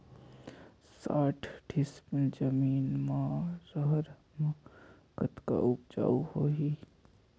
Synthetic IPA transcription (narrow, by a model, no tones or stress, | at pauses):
saːʈʰɖɪspəld͡ʒəmiːnmãɾəɦəɾ | mə | kət̪ka̰ʔʊp̚d͡ʒa̰ːuhoːɦiː